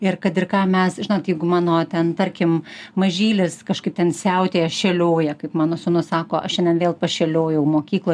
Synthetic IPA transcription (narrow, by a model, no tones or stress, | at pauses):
ɪrkɐt̪ɪrkɑːmʲɛsʒʲɪnoːt̪jɛɪɡʊmɑːnoːt̪ʲɛnt̪ɐɾʲkʲɪmmɐʒʲiːlʲɪskɐʃkɐɪp̚t̪ʲɛnsʲɛʊt̪ʲeːɛʃʲɛlʲoːjɛkɐɪpmɑːnoːsʊnʊsɑːkoːʔɐʃʲɛndʲɛnʋʲeːlˠpɐʃʲɛlʲoːjɛʊmoːkʲiːklˠoː